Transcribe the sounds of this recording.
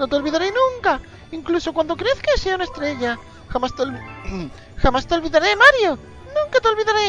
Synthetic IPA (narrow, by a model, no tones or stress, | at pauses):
not̪eo̞lβiðaɾenũŋka | iŋklusokwand̪o̞kɾeθkeseaunaest̪ɾe̞ʝa | xamast̪ | xamast̪eolβiðaɾe̞maɾjo | nũŋkat̪elβiðaɾe